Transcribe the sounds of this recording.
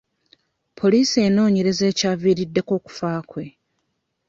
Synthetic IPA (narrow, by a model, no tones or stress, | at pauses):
pʰo̞liːsie̞ːno̞ːɲeɾe̞ze̞ːcaːviɾidːe̞ko̞ːku̥faːkwe̞